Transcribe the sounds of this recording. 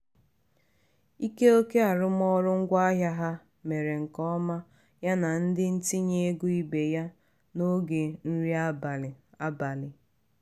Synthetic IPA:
i˦ke˦o˦ke˦a˨ɾʊ˦m˦ɔ˦ɾʊ˦ŋ̩˦ɡʷa˦ɦja˦ɦa˦ | me˨ɾe˨ŋ̩˨kɔ˦ma˦ | ja˦na˨n̩˦dɪ˦n̩˦ti˦ɲe˦e˦ɡu˦i˦be˨ja˦ | no˦ɡe˨n̩˦ɾi˦a˦ba˨lɪ˨a˦ba˨lɪ˨

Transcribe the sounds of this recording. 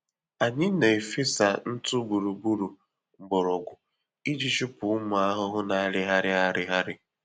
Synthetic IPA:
a˨ɲɪ˦ne˨e˨fi˦sa˨n̩˦tʊ˦bu˨ɾu˨bu˦ɾu˨ | ŋ͡m̩˨ɡ͡bɔ˨ɾɔ˨ɡʷʊ˨ | i˦d͡ʒi˦t͡ʃi˦pʊ˨ʊ˦mʊ˨a˦ɦʊ˦ɦʊ˦na˨˦ɾɪ˦ɦa˦ɾɪ˦a˦ɾɪ˦ɦa˦ɾɪ˦

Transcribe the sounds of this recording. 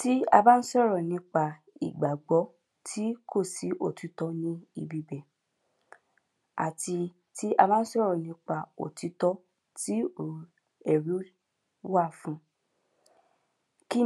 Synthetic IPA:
ti˦a˧ba˦n̩˦sɔ˦˨ɾɔ˨nĩ˧˦k͡pa˧ | ḭ˨ɡ͡ba˨ɡ͡bɔ˨˦ | tʰi˦kʰo˦˨si˨˦ʔo˦˨ti˨˧˦tɔ˧˦nĩ˧i˨bi˨˧bɛ˨ | a̰˨ti˧ | ti˦ʔa˧mã˦n̩˦ʃɛ˦ɾɔ˨nĩ˧˦k͡pa˧o̰˨ti˨˦tɔ˦ | ti˦o˨ | ɛ˨ɾu˨˦ | wa˦˨fũ˦ | ki˦

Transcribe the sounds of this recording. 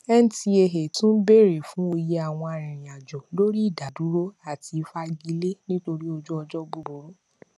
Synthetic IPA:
ɛ˦n̩˨ti˧e˨˧ɦe˨tũ˦be˦˨ɾe˨fũ˦o˧je˦a˨w̃ɔ̃˧a˨ɾ̃ĩ˨ɾ̃ĩ˨a˨d͡ʒɔ˨lo˦ɾi˦i˦˨da˨du˨˦ɾo˦a˦˨ti˧fa˦ɡi˧le˦nĩ˦to˧ɾi˦o˧d͡ʒu˦ɔ˧d͡ʒɔ˦ɡ͡bu˧˨bo˨ɾo˨˦

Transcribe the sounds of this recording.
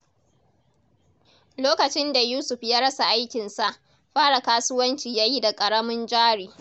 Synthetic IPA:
loː˦kɐ˨t͡ʃɪ˦nda˨juː˦sʊ˨ɸjaː˦ɽɐ˦sa˨ʔa˦jkʲɪ˨nsa˦ʔ | ɸaː˦ɽa˨kaː˦sʊ˦wɐ˦nt͡ʃiː˨jaː˦ji˦da˨kʼɐ˨ɽɐ˦mɪ˦nd͡ʒaː˦ɽiː˨

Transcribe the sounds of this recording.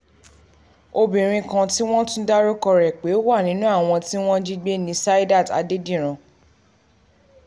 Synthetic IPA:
o˧bĩ˨ɾ̃ĩ˧kã˧ti˦w̃ɔ̃˦tũ˦da˦ɾo˦kɔ˧ɾɛ˨k͡pe˨˦wa˦˨nĩ˨˦nũ˦a˦˨w̃ɔ̃˧ti˦w̃ɔ̃˦d͡ʒi˦ɡ͡be˦nĩ˨˦sa˦i˦da˦˨ta̰˧de˦dĩ˦˨ɾ̃ã˨

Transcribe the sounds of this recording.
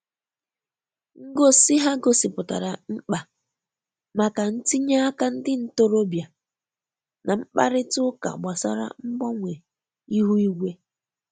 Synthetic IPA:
ŋ̩˦ɡo˦sɪ˦ɦa˦ɡo˨sɪ˨pʊ˨ta̰˨ɾa˨ŋ͡m̩˦k͡pa˨ | ma˨ka˨n̩˦ti˦ɲa˦a˦ka˦n̩˦dɪ˦n̩˦to˦ɾo˦bja˨ | nʔa˨m̩˦k͡pa̰˦ɾɪ˦tʊ˦ka̰˨ɡ͡ba˨sa̰˦ɾa̰˨ŋ͡m̩˦ɡ͡bɔ˦ŋʷe˨ | i˦ɦu˦i˦ɡʷe˦

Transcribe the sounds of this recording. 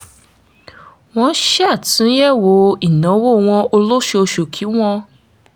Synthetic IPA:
w̃ɔ̃˧˦ʃa˦˨tũ˨˦jɛ˦˨wo˧˦i˨nã˨˦wo˦˨w̃ɔ̃˧o˧lo˦ʃe˧o˧ʃo˨kʰi˨˦w̃ɔ̃˧

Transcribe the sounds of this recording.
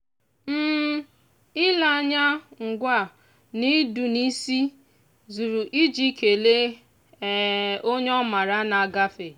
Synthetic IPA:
m̩˦ | ɪ˦la˨a˦ɲa˦ŋ̩˨ɡʷa˦˨ | ni˦du˨ni˦si˦ | zu˨ɾu˨ʔi˦d͡ʒi˦ke˨le˦˨ | o˦ɲ˦ɔ˦ma˨ɾa˦na˨a˨ɡa˦fe˨

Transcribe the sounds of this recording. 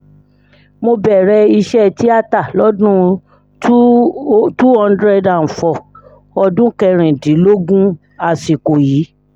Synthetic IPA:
mo˧bɛ˨ɾɛ˧i˧ʃɛ˦ti˦a˦˨ta˦˨lɔ˨˦dũ˦ | tu˦ɔ̃˦˧ndɾɛ˧dã˨n̩˨fɔ˨ | ɔ˧dũ˦kɛ˧ɾ̃ĩ˨dĩ˨˦lo˦ɡũ˦ | a˧si˨ko˨jiː˨˦

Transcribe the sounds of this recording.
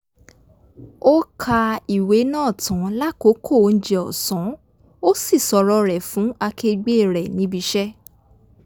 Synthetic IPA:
o˦kʰa˧i˨we˨˦nãː˦˨tʰã˨˦la˦ko˨˦kʰo˦˨˦n̩˦d͡ʒɛ˨ɔ̰˨sɔ̃˨˦ | o˦si˦˨sɔ˧ɾɔ˦ɾɛ˨fũ˨˦a˧kʰe˧ɡ͡be˦˨ɾɛ˨nĩ˧˦bi˧˦ʃɛ˦

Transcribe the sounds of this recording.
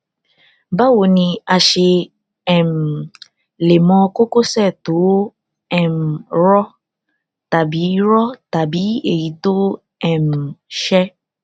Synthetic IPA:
ba˦wo˧nĩ˧a˧ʃe˧ | ɛ˨m̩˨ | le˨mɔ̃˧ko˦ko˦sɛ˦˨to˨˦ | ɛ˦˨m̩˨ɾɔ˦ | ta˨bi˨˦ɾɔ˦ta˨bi˨˦e˨ji˨˦to˦ | ɛ˦˨m̩˨ʃɛ˦

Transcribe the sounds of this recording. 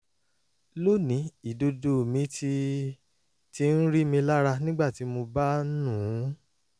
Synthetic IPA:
lo˦˨nĩ˨˦i˨do˧do˨mĩ˨˦ti˧ | ti˦n̩˦ɾi˦mĩ˧la˦ɾa˧nĩ˦ɡ͡ba˦˨ti˨˦mo˧ba˦nũ˦˨˦

